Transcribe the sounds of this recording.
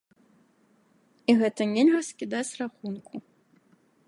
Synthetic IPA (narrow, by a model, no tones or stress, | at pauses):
iɣɛt̪ɐnʲelʲɣɐskʲid̪at͡sʲraxunku